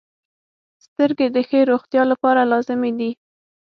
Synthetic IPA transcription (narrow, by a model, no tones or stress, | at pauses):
st̪əɾɡed̪əxəɾoxt̪jɑlapɑɾalɑzɪmed̪i